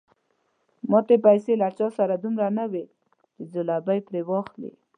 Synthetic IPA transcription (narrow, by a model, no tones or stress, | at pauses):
mɑt̪epajselat͡ʃɑsaɾad̪umɾanawe | t͡ʃezʊlabajpɾewɑxlḭ